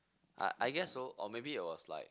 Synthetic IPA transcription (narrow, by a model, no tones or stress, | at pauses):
ʔa̰ʔaɪɡɛsoʔɔmebiɪt̚wɔsla̰ɪk̚